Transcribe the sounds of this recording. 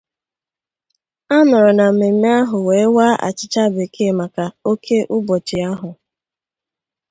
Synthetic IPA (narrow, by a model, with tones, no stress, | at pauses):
a˦nɔ˨ɾɔ˨na˨m̩˨me˨me˦a˦ɦʊ˨weː˨˦waː˦ʔa̰˨t͡ʃɪ˨t͡ʃa˦˨be˨kʰe˦˨ma˨ka˨o˦kʰe˦ʔʊ˦bɔ˨t͡ʃɪ˨a˦ɦʊ˨